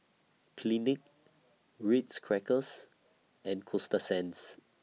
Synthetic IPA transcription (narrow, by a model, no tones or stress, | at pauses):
kʰlinɪk̚ | ɹitskʰɹɛkəs | ɛ̃nkʰɔstəsɛ̃ns